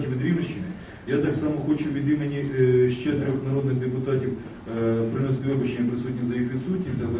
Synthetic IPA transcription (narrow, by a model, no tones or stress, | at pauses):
tʲiʋʲid̪ɾʲiʋɪʃt͡ʃɪnɪ | jat̪ɑksɑmɔxot͡ʃʊʋʲid̪imʲenʲiʃt͡ʃɛt̪ɾʲɔxnɐɾod̪nɪɣd̪epʊt̪ɑtʲiw | pɾɪnɛst̪ɪʋɪbɐt͡ʃenʲːɐpɾɪsutʲnʲizɐjixʋʲit̪sutʲnʲisʲtʲɐlˠɛ